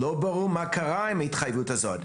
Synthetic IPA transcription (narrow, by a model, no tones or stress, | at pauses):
loːbaʁumakaɾaɪmaɪtχajvutazɔd